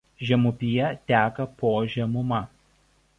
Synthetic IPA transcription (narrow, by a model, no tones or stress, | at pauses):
ʒʲɛmʊpʲɪjɛt̪ʲæːkɐpoːʒʲɛmʊmɐ